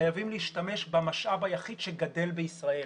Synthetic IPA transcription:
ajavimliːʃtame̞ʃbamaʃʔavajaχid̥ʃeɡade̞lbeisʁael

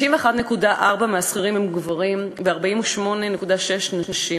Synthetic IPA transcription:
imveχad̪ne̞kudaʔaʁbameasχiʁimhemɡvaʁimveaʁbaimuʃmo̞ne̞nekudaʃeʃnanaʃi

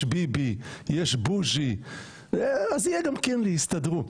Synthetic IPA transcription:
bibijeʃbuʃi | azijɛɡamkɛnlihist̪adʁu

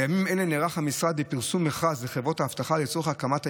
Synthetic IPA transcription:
jamimenleneʁaχhamisʁad̪ipiʁsumːeχazleχevʁo̞t̪aːft̪aχalet͡soeχakamatha

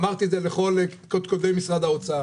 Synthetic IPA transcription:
maʁt̪iezeleχo̞lekod̪kod̪ejmisʁad̪aot͡saa

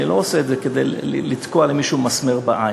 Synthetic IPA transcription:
ilo̞ːseːtzeke̞d̪ḛjlit̪koalemiʃumasmeʁbaʔaj

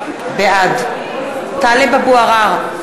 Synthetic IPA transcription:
bead̪ | t̪alebabuaʁaʁ

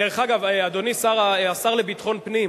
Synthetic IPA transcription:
deʁeχaɡavead̪o̞nisaʁaasaʁlebit̪χo̞npnim

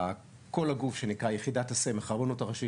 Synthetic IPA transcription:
a | ko̞laɡufʃe̞nikʁajeχidatasemeχaʁbonotaʁaʃi

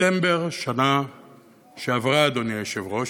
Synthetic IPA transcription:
embeʁʃana | ʃeavʁaːd̪onijeʃevʁo̞

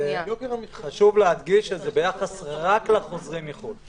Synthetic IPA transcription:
eobimamit̪χaʃuvlead̪ɡiʃezebejaχasʁaklaχozʁimiχu

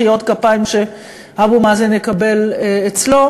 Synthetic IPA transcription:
ijot̪kapaimʃe̞ | habumazenjekabe̞leet͡slo̞

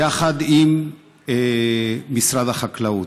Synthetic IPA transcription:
aχad̪im | isʁad̪aχaklau

